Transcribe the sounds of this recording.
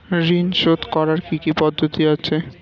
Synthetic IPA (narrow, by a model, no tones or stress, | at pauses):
ɾinʃod̪kɔɾaɾkikipɔd̪ʱːot̪iat͡ɕʰe